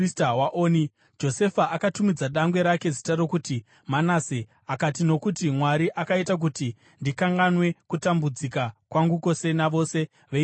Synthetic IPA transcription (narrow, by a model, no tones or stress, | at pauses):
stawaʔoːni | d͡ʒo̞se̞faʔakatumid͡zaɗaŋɡwe̞ɾake̞zitaɾo̞kuti | manaːse | akatino̞kutimwaɾiʔakaitak̬uti | ndikaŋɡanwe̞kutambud͡zikakwaŋɡuko̞se̞naʋo̞se̞ | ʋe